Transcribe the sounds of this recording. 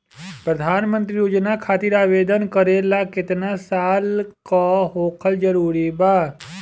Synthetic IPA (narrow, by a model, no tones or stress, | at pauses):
pɾəd̪ʱaːnmə̃nt̪ɾijoːd͡ʒnakʰaːt̪iɾaːʋeːd̪ənkəɾelakɪt̪nasaːlkaɦoːkʰəld͡ʒəɾuːɾibaː